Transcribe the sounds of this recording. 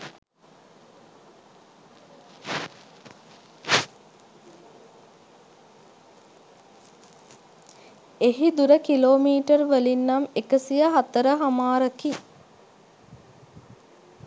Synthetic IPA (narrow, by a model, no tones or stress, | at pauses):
eɦid̪uɾəkiloːmiːʈərʋəlinːamekəsijəɦat̪əɾəɦamaːɾəki